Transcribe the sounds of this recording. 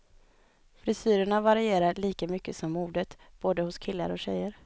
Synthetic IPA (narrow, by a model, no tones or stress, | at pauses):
fɾɪsyːɾəɳavaɾɪeːɾaɭiːkamʏkːəsɔmːuːɖət̪ | b̥oːd̪əhʊskʰɪlːa̰ɾɔɕɛ̰jːəɾ